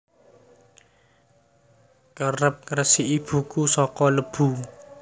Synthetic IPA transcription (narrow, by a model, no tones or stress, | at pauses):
kərəp̚kərəsiʔib̥ṳkusɔkɔləb̥ṳ